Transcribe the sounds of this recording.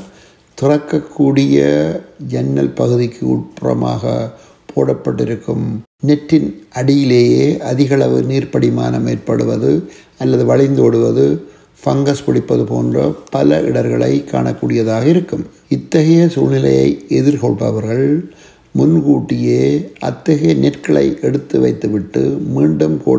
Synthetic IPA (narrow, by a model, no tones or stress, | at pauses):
t̪ʊrɐkːɐkʰːuːɽɪjɐd͡ʒɛnːɐ̰lpɐɣɯðɪkːɯʊʈ̚pʊrɐ̰ma̰ːɣɐ̰ | pʰo̰ːɽɐpːɐʈːɪɾɯkːɯm | nɛʈːɪnʔɐɽɪjɪleːjeːʔɐðɪɣɐɭɐʋɯniːɾpɐɽɪma̰ːnɐmeːrpɐɽɯʋɐðɯ | ɐlːɐðɯʋɐɭɪnd̪oɽɯʋɐðɯ | fɐŋɡɐspɪɽɪpːɐðɯpo̰ːndrɐpɐlɐʔɪɽɐɾɣɐɭɐ̰ɪkːa̰ːɳɐkːuːɽɪjɐðaːɣɐɪɾɯkːɯm | ɪt̪ːɐɣɐjɐsuːnɪlɐjɐ̰ɪɛðɪɾkɔɭpɐ̰ʋɐɾɣɐɭ | mʊnkuːʈːɪjeːʔɐ̰t̪ːɐɣɐjɐnɛʈkɐɭɐ̰ɪʔɛɽɯt̪ːɯʋɐɪt̪ːɯʋɪʈːɯmiːɳɖɯmko̰ː